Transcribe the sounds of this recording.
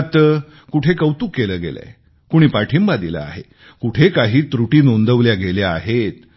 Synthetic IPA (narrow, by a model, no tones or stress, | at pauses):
t̪ | kuʈʰekəwt̪uːkːeləːɡḛla̰e | kuɽ̃iːpaʈʰimbad̪ila̰a̰ɦe | kuʈʰekaɦiːt̪ɾuʈiːnond̪əʋljaɡeljaːɦet̪